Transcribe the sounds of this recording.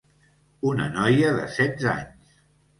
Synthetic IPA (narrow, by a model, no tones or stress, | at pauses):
unə̰nɔjəðə̰sɛd̪za̰ɲs